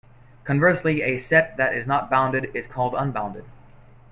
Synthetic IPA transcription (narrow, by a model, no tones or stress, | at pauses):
kʰɨ̃ɱvɜ˞sliɨsɛt̪̚ðɨɾɪznət̚b̥ãʊ̃ndɨɾɪz̥kʰɔlˠdə̃nbãʊ̃ndɨd̥̚